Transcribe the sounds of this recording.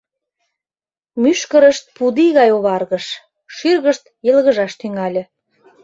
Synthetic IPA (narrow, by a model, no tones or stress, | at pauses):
myʃkəɾəʃt̪̚pud̪iɣɑjoβɑrɣəʃ | ʃirɣəʃt̪jə̆lɣə̆ʒɑʃt̪yŋɑlʲĕ